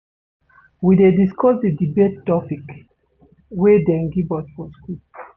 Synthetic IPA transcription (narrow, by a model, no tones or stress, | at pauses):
widediskɔsdədibetːɔpik | wɛdɛ̃ŋɡibɔtfɔsku